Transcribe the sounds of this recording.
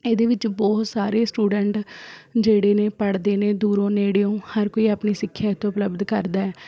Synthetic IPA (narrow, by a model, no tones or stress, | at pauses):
eːd̪eːʋɪt͡ʃbɔːt̪saːɾeːsʈuːɖəɳʈd͡ʒeːɽeːneːpəɽd̪eːneːd̪uːɾõːneːɽeõːhəɾkoːiːaːpniːsɪkʰːjaːt̪õːʊpləbd̪kəɾd̪aːɛː